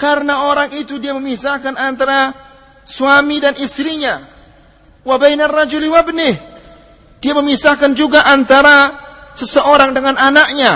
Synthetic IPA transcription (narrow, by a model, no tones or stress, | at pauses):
kaɾənaoɾaŋit̪udiaməmisahkanant̪aɾa | suamidanʔist̪ɾiɲa | wabajnarːad͡ʒʊlwabnɪh | d̥iaməmisahkand͡ʒuɡaʔant̪aɾasəsəʔoɾaŋdəŋananak̚ɲa